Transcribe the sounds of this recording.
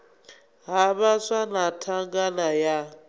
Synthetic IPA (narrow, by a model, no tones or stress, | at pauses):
ɦaβasanatʰaŋɡanaja